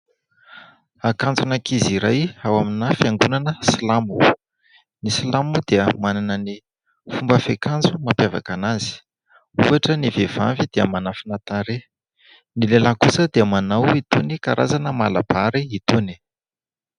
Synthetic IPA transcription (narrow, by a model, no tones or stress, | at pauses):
akand͡zunakiziɾajawaminafjaŋɡunanəsilamu | nislamud̪̥eəmananəni | fumbəfekand͡zumapjava̰kanazi̥ | ṵaʈ͡ʂənivev̥amvid̪̥eəmanafinat̪aɾe | nilelakusəd̪eəmanawit̪onikaɾa̰zanəma̰la̰b̥aɾiit̪oni̥